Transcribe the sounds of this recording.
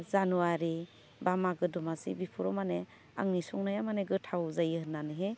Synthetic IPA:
zanuwaɾi | bamaɡɯdɔmasḭbipʰuɾɔmane | a̰ŋnisɔŋnajamaneɡɯtʰawzajɯɦɯnːanɯɦe

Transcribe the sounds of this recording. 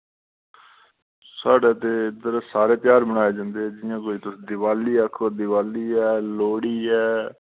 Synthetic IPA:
saːɖeːt̪eːɪd̪əɾsaːɾeːpjaːɾbəñaːeːd͡ʒãːnd̪eːɦɛːd͡ʒɪjãːk̬oːiːt̪ʊsd̪ɪʋaːliːakʰːoːd̪ɪʋaːliːɛːloːɽiːɛː

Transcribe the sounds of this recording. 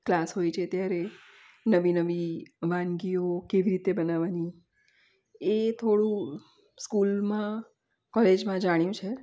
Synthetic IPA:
klasɦojt͡ʃʰet̪jaɾe | nəʋinəʋiʋãnɡiokeʋiɾit̪ebənaʋani | et̪ʰoɽũ | skulmã | kɔled͡ʒmãd͡ʒaɽ̃jũt͡ʃʰe

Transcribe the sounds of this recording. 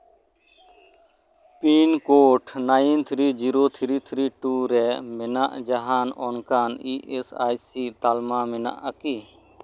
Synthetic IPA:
piːnkoːʈʰnaːint̪ʰɾiːd͡ʒiːɾoːt̪ʰɾiːt̪ʰɾiːʈuːɾɛːmɪna̰ʔd͡ʒaɦaːnɔːnkaːniːʔesaːjsiːt̪aːlmaːmɪna̰ʔəkiː

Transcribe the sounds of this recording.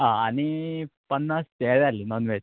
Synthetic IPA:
ɦaañipənːast̪ed͡zalinɔnʋe

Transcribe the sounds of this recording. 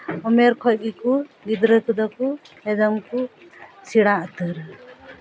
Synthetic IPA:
ɔmɛɾkʰɔc̚ɡikuɡid̪ɾəkud̪ɔku | ɛd̪ɔmku | sʰiɽaʔt̪əɾ

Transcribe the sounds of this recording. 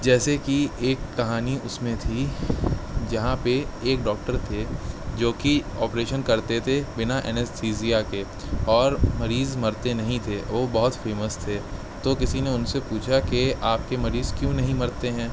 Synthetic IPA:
d͡ʒɛːsekieːkːɐɦaːniʔʊsmẽt̪ʰi | d͡ʒɐɦãpeeːk̚ɖɔːk̚ʈəɾt̪ʰed͡ʒoːkiɔːpɾeːʃənkɐɾt̪et̪ʰebɪnaʔɛ̰nɛssiːsiːake | ɔːɾmɐɾiːzmɐɾt̪enɐɦĩt̪ʰeʋoːbɐɦʊt̪feːməst̪ʰeː | t̪okɪsineʊnsepuːt͡ʃʰakeaːp̚kemɐɾiːzkjũːnɐɦĩmɐɾt̪eɦɛ̃ː

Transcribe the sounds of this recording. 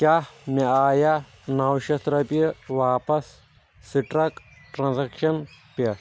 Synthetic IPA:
kʲaːniaːja | naːwʃɐt̪ɾɐpɐʋaːpɐsː | iʈɾɐk | ʈɾãnzɐkʃɐnpɐ

